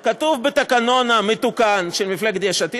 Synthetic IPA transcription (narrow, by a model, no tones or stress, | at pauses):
kat̪uvbet̪akano̞namet̪ukanʃelmifleɡt̪d̪jaʃat̪i